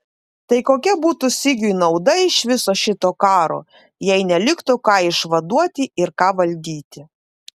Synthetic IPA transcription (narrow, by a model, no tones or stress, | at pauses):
t̪ɐɪkoːkʲɛbuːt̪uːsʲɪɡʲʊɪnɐʊd̪ɐɪʃʋʲɪsoːʃʲɪt̪oːkɑːɾo̰ː | jɛɪnʲɛlʲɪkt̪ʊkɑːɪʃʋɐd̪uɔt̪ʲɪʔɪɾkɑːʋɐlʲd̪ʲiːt̪ʲɪ